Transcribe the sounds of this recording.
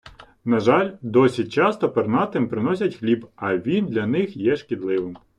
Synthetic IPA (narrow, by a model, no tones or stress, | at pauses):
nɐʒɑlʲd̪ɔsʲit͡ʃɑst̪ɔpernɑt̪ɪmpɾɪnɔsʲɐtʲxlʲibɐʋʲind̪lʲɐnɪxjɛʃkʲid̪lˠɪʋɪm